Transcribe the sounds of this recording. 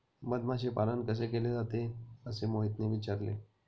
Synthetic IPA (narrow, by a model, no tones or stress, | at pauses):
məd̪maɕepalankəs̬ekeled͡zat̪eəsemoɦit̪neʋit͡ɕaɾlḛ